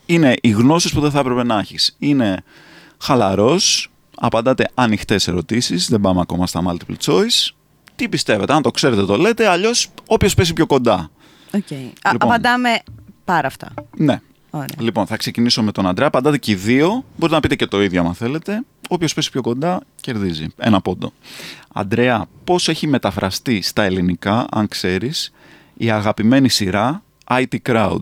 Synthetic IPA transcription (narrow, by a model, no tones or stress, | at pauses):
ine̞ʔiɣno̞sispuðeθɐpɾepe̞nɐɐçisine̞ | xɐlɐɾo̞s | ɐ̰pɐnd̪ɐt̪e̞ɐnixt̪e̞se̞̰ɾo̞t̪isizðebɐmeɐko̞̰mɐst̪ɐmɐ̰lt̪iplt͡so̞is | t̪ipist̪e̞ve̞t̪eɐnt̪o̞kse̞ɾet̪et̪o̞le̞t̪e̞ɐʎo̞so̞pço̞spesipço̞ko̞nd̪ɐ | oelipːopɐnd̪ɐmepɐɾɐːft̪ɐ̰ne̞ | oɾlipo̞nθɐkse̞ciniso̞me̞t̪o̞nɐnd̪ɾeɐpɐnd̪ɐt̪eciðio̞bo̞ɾit̪enɐpit̪e̞cet̪o̞iðjʝoɐ̰mɐnθe̞le̞t̪e̞ | o̞pço̞spe̞si̥pçoko̞nd̪ɐce̞ɾðizḭe̞̰nɐpo̞d̪o̞̰ɐ̰nd̪ɾe̞ɐpo̞se̞çime̞t̪ɐfɾɐst̪ist̪ɐe̞linikɐʔɐ̰ŋkse̞ɾis | iɐɣɐpime̞nisiɾɐ | ɐit̪ikɾɐṵd̪